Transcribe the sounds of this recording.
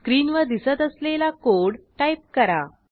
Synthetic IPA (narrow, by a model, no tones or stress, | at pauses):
skɾiːnʋəd̪isət̪əslelakoɽʈajp̚kəɾa̰